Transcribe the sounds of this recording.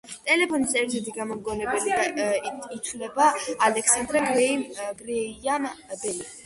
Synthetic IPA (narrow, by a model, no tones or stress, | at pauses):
t̪ʼɛlɛpʰɔnisɛɾt̪ʰɛt̪ʰiɡamɔmɡɔnɛbulid̪ait̪ʰvlɛbaalɛksand̪ɾaɡwɛɡɾɛanbɛliɛ